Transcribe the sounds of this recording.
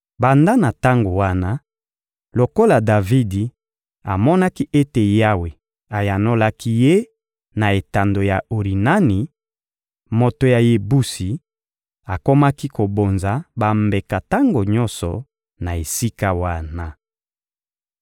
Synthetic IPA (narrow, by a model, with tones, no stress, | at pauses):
ba˨nda˦na˨ta˦ŋɡo˨wa˦na˦ | lo˨ko˦la˨da˨vi˦di˨ | a˨mɔ˦na˦ki˦ʔe˦te˨ja˦we˨ | a˨ja˨no˦la˦ki˦je˦ | na˨e˨ta˨ndo˨ja˨ʔo˨ʁi˨na˦ni˨ | mo˨to˨ja˨je˨bu˦si˨ | a˨ko˦ma˦ki˦ko˨bo˨nza˨ba˨mbe˨ka˨ta˦ŋɡo˨ɲɔ˦nsɔ̰˨ | na˨e˨si˦ka˦wa˦na˦